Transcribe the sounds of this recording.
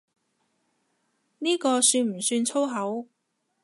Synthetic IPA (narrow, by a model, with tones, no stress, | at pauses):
niː˥kɔː˧syː˧nm̩˨˩syː˧nt͡sʰo˥wɦɐ˨˥w